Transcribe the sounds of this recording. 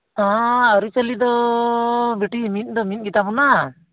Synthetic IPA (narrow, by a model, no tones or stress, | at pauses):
ãəɾut͡ʃəlid̪ɔ | beʈimit̪̚ˀd̪ɔmit̪̚ˀɡit̪abɔna